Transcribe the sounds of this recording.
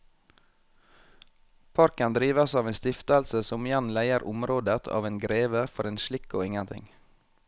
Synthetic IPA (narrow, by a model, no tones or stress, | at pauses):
pʰɑɾkənd̪ɾiːʋəsɑːʋeːnst̪ɪft̪əlsəsɔmɪjænlæɪəɾʔʊmɾoːd̪ət̪ʰɑ̰ːʋeːnɡɾeːʋəfɔɾeːnʃɭɪko̰ːɪŋənt̪ʰɪ̰ŋ